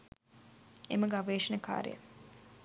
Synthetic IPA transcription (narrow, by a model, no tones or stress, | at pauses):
ḛməɡaʋeːʂənɐka̰ːɾḛjə̰